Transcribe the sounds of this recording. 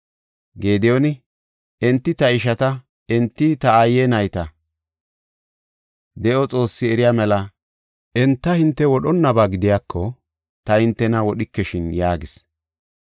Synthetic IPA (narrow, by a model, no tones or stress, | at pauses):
ɡe̞ːd̪ɛjonɪ | ɛnt̪ːɪt̪ɐɪʃɐt̪ɐ | ɛnt̪ːɪt̪ɐajːɛnɐjt̪ɐ | d̪ɛʔɔt͡sʼo̞ːsːɪɛɾɪjaːmɛlɐ | ʔɛnt̪ːɐhɪnt̪ːɛwɔɗɔnːɐbaːɡɪd̪ɪjaːkʰːɔ | t̪ɐhɪnt̪ːɛnɐwɔɗɪkːɛʃɪnjaːɡɪs